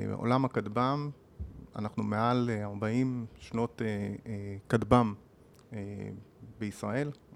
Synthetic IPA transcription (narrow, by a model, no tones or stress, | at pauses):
ʔo̰lamakadbam | a̰naχnumealaʁbaimʃno̞te | kadbam | e | beisʁae̞l